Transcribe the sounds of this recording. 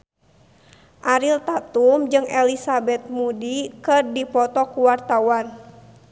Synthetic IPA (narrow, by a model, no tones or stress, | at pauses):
ʔaɾilt̪at̪umd͡ʒɨŋʔɛlisabɛt̪̚mudikɨrdipɔt̪ɔkuwart̪awan